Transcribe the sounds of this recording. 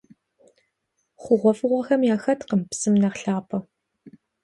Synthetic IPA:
χʷʊʁʷɔfɨʁʷɐxɐmjaːxɐtqəmpsɨmnɐχɬaːpʰɐ

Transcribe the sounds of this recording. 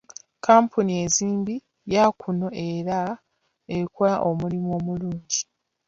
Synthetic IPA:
kaːmpʰunie̞ziːmbi | jakʰuno̞ʔe̞ɾa | ekuaʔomulimuo̞ːmuluːɲɟi

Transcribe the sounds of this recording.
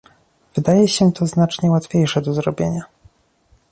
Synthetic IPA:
v̥ɘd̪ajɛɕɛt̪ʰɔznat͡ʂɲɛwat̪fʲjejʂɛd̪ɔzɾɔbʲjḛɲa

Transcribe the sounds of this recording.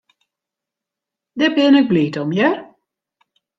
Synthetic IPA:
dɛbɪnək̚bliːtɔmjɛr

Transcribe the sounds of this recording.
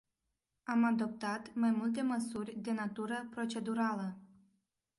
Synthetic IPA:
amad̪o̞p̚t̪at̪majmult̪e̞məsurʲd̪e̞nat̪uɾəpɾo̞t͡ʃe̞d̪uɾalə

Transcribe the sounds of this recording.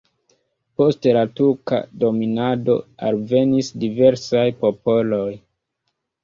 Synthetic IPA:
po̞stelatuɾka̰do̞minado̞̰a̰lve̞nisdive̞ɾsajpo̞po̞lo̞j

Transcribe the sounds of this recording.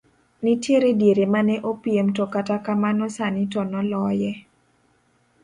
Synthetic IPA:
nitjeɾedjeɾemanɛʔopjemtɔkatakamanɔsanɪtɔnɔlɔjɛ

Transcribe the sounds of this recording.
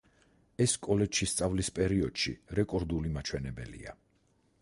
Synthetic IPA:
ɛskʼɔlɛʃist̪sʼavlispʼɛɾiɔd̪̥ʃḭɾɛkʼɔɾd̪ulimat͡ʃʰwɛnɛbɛ̰lḭa

